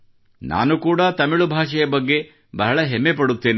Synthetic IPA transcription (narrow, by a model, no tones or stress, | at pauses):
nʔa̰ːnukuːɽɐt̪ɐmiɭubʱaːʂɐjɐbɐɡːe̞ | bɐɦɐɭɐɦemːepɐɽut̪ːe̞ːni